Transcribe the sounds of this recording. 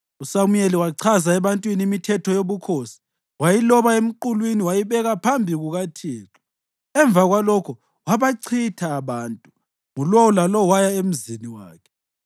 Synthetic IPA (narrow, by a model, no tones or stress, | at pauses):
usamujeliwaǀʰazaɛβantʼwiniimitʰɛtʰɔjoβukʰoːsi̥ | wajilɔβaem̩ǃulwiniwajiβɛɣapʰambʱiɣuɣatʰiːǁi̥ | ɛɱvaɣwalɔkʰɔ | waβaǀʰitʰaːβaːntʼu | ŋulɔwɔlalɔwajaem̩ziniwa̰ːkʰɛ̥